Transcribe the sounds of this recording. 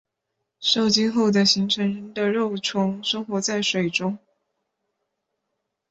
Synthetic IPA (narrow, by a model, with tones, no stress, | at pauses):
ʂo˥˩ʊt͡ɕi˥nxo˥˩ʊd̪ə˩ɕi˧˥ŋʈ͡ʂʰɤ˧˥ŋɻə˧˥nd̪ə˨ɻo˥˩ʊʈ͡ʂʰʊ˧˥ŋʂɤ˥ŋxwɔ˧˥t͡sa˥˩ɪʂwe˨˩ɪʈ͡ʂʊ˥ŋ